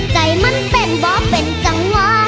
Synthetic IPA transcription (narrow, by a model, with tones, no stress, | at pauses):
ka˨˩˦jma˧˥npe˨˩nbɔː˨˦pe˨˩nt͡ɕa˨˦ŋwaː˧˥